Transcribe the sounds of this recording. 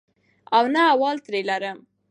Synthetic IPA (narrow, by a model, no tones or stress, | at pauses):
awnaːwɑlt̪ɾelaɾəm